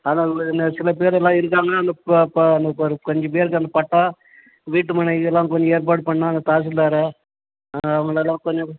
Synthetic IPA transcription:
aːnaːɐŋɡɯɪnd̪ɐsɪlɐp̬eːɾɛlːãːɪɾɯk̬ːaːŋɡɐnaːɐnd̪ɐpɐnd̪ɐɾɯkɔɲd͡ʒɐ̃p̬eːɾkɯɐnd̪ɐpɐʈːaː | ʋiːʈːɯmɐnɐɪɯɛlːãːkɔɲd͡ʒɔ̃eːɾp̬aːɽɯpɐɳːaːɐnd̪ɐt̪aːs̬ɪlːaːɾɯ | ɐʋɐŋɡɐɭɛlːãːkɔɲd͡ʒɐ̃

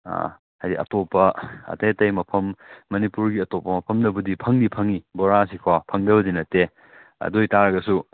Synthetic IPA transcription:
a̰ | hajdiʔɐ̰topːɐɐ̰tetɐjmɐpʰɐmːɐnipuɾɡiɐtopːɐmɐpʰɐmdɐbudipʰɐŋdipʰɐŋiboɾasikʰwapʰɐŋdɐbɐdinɐtːe | ɐ̰dojtaɾɐɡɐsu

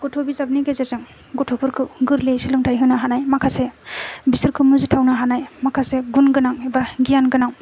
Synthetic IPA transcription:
ɡ̥ɔtʰobizab̚niɡezezɯŋ | ɡotʰopʰɯɾkʰɯɡɯɾlesilɯŋtʰajɦɯnaɦanajmakʰasebisɯɾkʰɯmuzitʰawnaɦanajmakʰaseɡunɡɯnaŋebaɡijanɡɯnaŋ

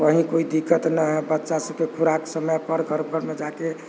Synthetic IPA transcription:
ʋəɦĩkoid̪ikːət̪nəɦɛbətːʃasəb̚kekʰuɾaksəməjpəɾɡʱəɾbəɾmed͡ʒake

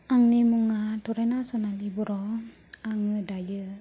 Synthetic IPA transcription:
aŋnimuŋatɔɾenasɔnalibɔɾɔ | aŋɯdajɯ

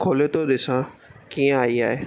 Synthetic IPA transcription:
kʰoːlet̪od̪ɪsãkiːə̃aːiaːɦeː

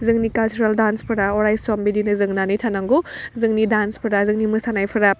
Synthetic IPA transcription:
zɯŋnikalt͡ʃuɾaldanspʰɯɾaɔɾajsɔmbidinɯzɯŋnanitʰanaŋɡozɯŋnidanspʰɯɾazɯŋnimɯsanajpʰɯɾa

